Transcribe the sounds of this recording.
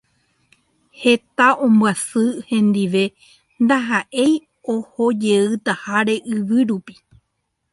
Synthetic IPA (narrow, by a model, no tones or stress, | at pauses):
he̞t̪aʔõ̞mbwasɨhẽ̞nd̪iʋe̞ | nd̪aɦaʔe̞j | ohod͡ʒe̞ɨt̪ahaɾe̞ʔɨʋɨɾupi̥